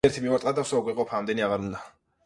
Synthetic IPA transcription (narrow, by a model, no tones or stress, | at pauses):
ɛɾt̪ʰimivat̪ʼad̪asɔɡwiqʼɔpʰaːmd̪ɛniaʁaɾund̪a